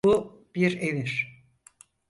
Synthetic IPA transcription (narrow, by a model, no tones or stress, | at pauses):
u | b̥iɾeviɾ̥